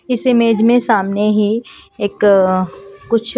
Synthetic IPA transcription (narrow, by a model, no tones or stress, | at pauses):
ɪsemeːd͡ʒmẽsaːmneɦieːkː | ʊt͡ʃʰ